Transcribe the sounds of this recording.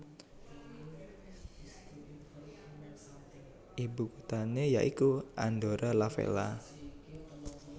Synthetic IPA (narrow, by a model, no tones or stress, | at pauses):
ʔibukut̪aneja̰ʔikuʔand̪oɾalafḛla̰